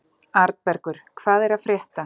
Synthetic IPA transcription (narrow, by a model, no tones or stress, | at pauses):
aɾt̪pɛɾkʏɾ̥kʰvaːðɛɾaðfɾjɛht̪a